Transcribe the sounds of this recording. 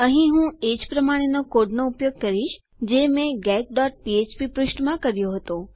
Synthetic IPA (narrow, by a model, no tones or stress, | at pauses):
əɦĩɦũed͡ʒpɾəmaɽ̃enokoɖnoupjoɡ̚kəɾiʃ | d͡ʒemẽɡɛk̚ɖɔʈ̚piet͡ʃpipɾʊʃʈmãkəɾjoɦət̪o